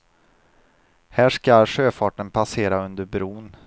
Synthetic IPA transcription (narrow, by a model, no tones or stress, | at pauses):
hæːʂkaɧøːfɑːʈənpʰaseːɾaɵnd̪əɾbɾuːn